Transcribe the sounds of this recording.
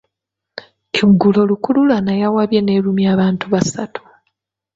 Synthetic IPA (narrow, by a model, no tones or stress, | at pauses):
eɡulo̞lukululanajawaβje̞ne̞ːlumiaːβaːntuβasatu̥